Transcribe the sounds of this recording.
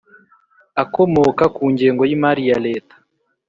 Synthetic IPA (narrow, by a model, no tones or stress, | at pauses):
ako̞mokakuːɲɟe̞ːŋɡo̞jimaɾijale̞ːtḁ